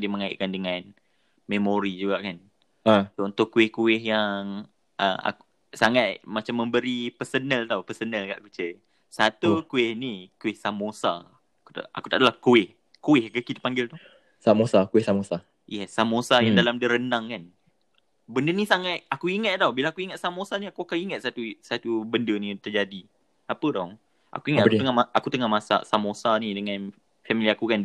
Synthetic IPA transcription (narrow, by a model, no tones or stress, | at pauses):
diəməŋaɪ̰ʔ̚kandəŋan | memoɾid͡ʒuɡaʔkan | ət̪unt̪ʊʔkːuɪhkuɪɦjaŋ | ʔə̰a̰ku | saŋat̪̚mat͡ʃamːəmbəɾipərsənəlt̪awpəsənəlka̰ʔkət͡ʃə | sat̪ukuɪhnikuɪhsamosa̰ | ku̥t̪a̰ʔa̰ku̥t̪aʔdalahkuɪh | kuɪhkəkit̪ə̥paŋɡɪlt̪ʊ | samosakuɪhsamosa | jɛsamosajaŋdalamdəɾəndaŋkan | bəndənisaŋat̪̚akuiŋat̪̚d̪awbilaakuiŋat̪̚samosaniakuakaiŋat̪̚sat̪usat̪ubəndənit̪ərd͡ʒadi | apədɔ | ʔa̰kuiŋat̪akt̪əŋamaʔakut̪əŋamasa̰samosanidəŋãn | fɛmiliakukan